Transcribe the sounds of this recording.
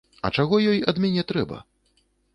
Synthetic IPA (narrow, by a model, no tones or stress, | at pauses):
ɐ̰t͡ʂaɣɔjɔjɐ̰d̪mʲanʲɛt̪ɾɛbɐ̰